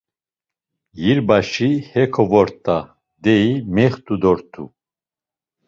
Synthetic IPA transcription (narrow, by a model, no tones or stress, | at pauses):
jiɾbaʃihɛkʰɔvɔɾt̪ʼa | d̪ɛimɛχt̪ʼud̪ɔɾt̪ʰṵ